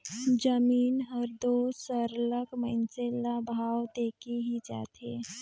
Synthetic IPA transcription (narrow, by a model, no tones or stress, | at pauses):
d͡ʒəmiːnɦəɾd̪oːsəɾləkmənselabʱaːwt̪eːkiɦid͡ʒa̰ːt̪ʰeː